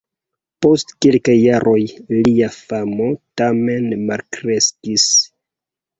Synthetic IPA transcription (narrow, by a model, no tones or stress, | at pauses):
po̞stkelkajːaɾʔo̞jliafamo̞tame̞nmalkɾe̞skis